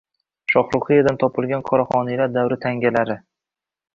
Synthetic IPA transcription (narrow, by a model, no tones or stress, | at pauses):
ʃɒqɾʊχɨjad̪ant̪ʰɒpʰɪlɡʲanqʰɒɾɒχɒnilaɾd̪awɾɪt̪ʰaŋɡʲalaɾɪ